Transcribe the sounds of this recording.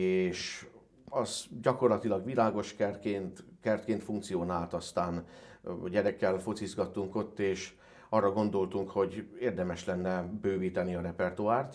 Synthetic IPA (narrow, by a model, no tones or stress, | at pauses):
eːʃ | ɒzɟɒko̞rlɒt̪ilɒɡʋilaːɡo̞ʃkɛrkeːnt̪kɛrt̪̚keːnt̪fuŋk̚t̪sijoːnaːlt̪ɒst̪aːn | ɟɛɾɛkːɛlfot̪sizɡɒt̪ːuŋko̞t̪ːeːʃ | ɒrːɒɡo̞nd̪o̞lt̪uŋkho̞ɟeːrd̪ɛmɛʃlɛnːɛbøːviːt̪ɛniɒɾɛpɛrt̪uaːrt̪